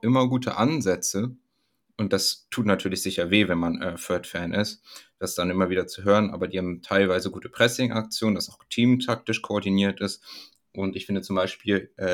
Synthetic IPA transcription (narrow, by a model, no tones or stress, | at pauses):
ʔɪmɐɡuːtʰə̰ʔanzɛt͡sə | ʔʊnt̚d̥astʰuːtnatʰyːɐlɪçz̥ɪçɐveːvɛnmanʔɛːfœɐtfɛːnʔɪstd̥asd̥anʔɪmɐviːdɐt͡suɦøːʁənʔa̰ːbɐdiːhaːbm̩tʰaɪlvaɪzəɡuːtʰə̥pʁ̥ɛsɪŋʔa̰k̚t͡sjoːndasaʊxtʰiːmtʰak̚tɪʃkʰoɔɐdiniːɐtɪst | ʔʊntɪçfɪndət͡sʊmbaɪʃpiːlʔɛː